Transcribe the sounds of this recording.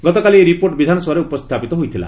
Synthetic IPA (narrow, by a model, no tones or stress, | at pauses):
ɡɔt̪ɔkalieɾipoɾʈbid̪ʱanɔsɔwaɾeupɔst̪ʰapit̪ɔɦojt̪ʰila̰